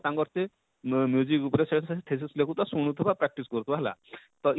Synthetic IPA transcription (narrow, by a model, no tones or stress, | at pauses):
t̪aŋɡɔɾt̪e | mjuzikupɾeseɽsaʈ̪ʰes̬islekut̪ɔsuɽ̃ut̪ʰibapɾak̚ʈiskɔɾut̪ubaɦela̰ | t̪ɔʔ